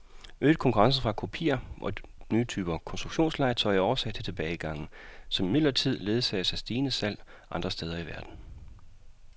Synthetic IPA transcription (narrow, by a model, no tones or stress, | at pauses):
øːd̥̚kʰɒ̽ŋkʰuʁɑ̈ŋsəfʁɑ̈kʰo̝pʰḭːɐʔɒ̽nyːt͡sʰyːb̥ɐkʰɒ̽nsd̥ʁuɡ̥ɕo̝̰ːnslɑ̈ɪt͡sʰɒ̽ɪ̰ɒːɐsæd̥ʰə̥t͡sʰe̝b̥ɛːɪɡ̥ɑ̈ŋ̰n̩sɒ̽mimid̥lɐt͡sʰið̞̰ˠle̝ð̞ˠsɛ̰ːsæsd̥iːnəsæl̰ | ʔɑ̈nd̥ʁɐsd̥eːð̞ˠɐiʋæɐd̥n̩